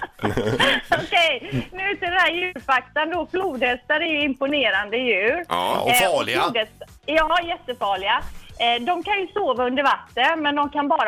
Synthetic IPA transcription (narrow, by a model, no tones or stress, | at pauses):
ɔkɛjnʉʉ̟ːt̪ɪd̪ɛnæːɾjʉ̟ːɾfakt̪and̪obluːd̪hɛst̪ːaɾæɾjɵɪmpʊneːɾand̪əjʉ̟ːɾɔːd̪ɛs | jɑːjɛt̪ːəfɑːɭɪad̪ɔmkanjɵsoːvaɵnd̪əɾvat̪ːənmɛnd̪ɔmkʰanbɑːɾa